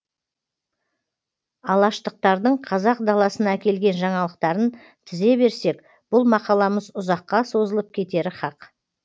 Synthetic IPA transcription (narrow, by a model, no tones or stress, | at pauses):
ɑlˠɑʃt̪əq̚t̪ɑɾd̪əɴqʰɑzɑq̚d̪ɑlˠɑsənɑækʲe̞lɡʲe̞nʒɑɴɑlˠəqt̪ɑɾən | t̪ʰɪze̞be̞ɾse̞k | b̥ʊlˠmɑqɑlˠɑməzʊzɑqːɑso̞zəlˠəp̚kʲʰe̞t̪e̞ɾɪχɑq